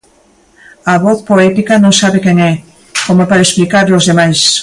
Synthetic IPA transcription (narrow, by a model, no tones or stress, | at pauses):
ɐβɔθpoɛt̪ikɐnõŋsaβekɛŋɛ | komopaɾesplikaɾlozðemajs